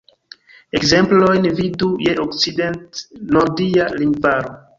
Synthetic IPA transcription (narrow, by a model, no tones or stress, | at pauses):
e̞kze̞mplo̞jnvidujeʔokt͡side̞ntnoɾdialimbaɾo